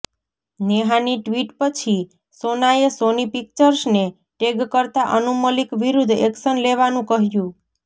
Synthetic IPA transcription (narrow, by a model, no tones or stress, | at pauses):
neɦaniʈʋiʈpət͡ʃʰi | sonajesonipik̚t͡ʃəɾsne | ʈeɡkəɾt̪aʔənuməlikʋiɾud̪ʱeksənleʋanũkəɦjũ